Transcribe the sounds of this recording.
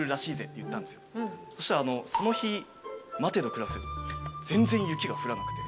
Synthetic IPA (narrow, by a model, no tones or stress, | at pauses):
ɯ̟ɾaɕiːze̞t̪ːejɯ̟t̪ːãnd̪esɨjoso̞ɕi̥t̪aɾaːno̞so̞no̞çi | mat̪e̞d̪o̞kɯ̟ɾasezd͡zẽ̞nzẽ̞ɰ̃jɯ̟kʲiɡaɸɯ̟ɾanakɯ̟t̪e̞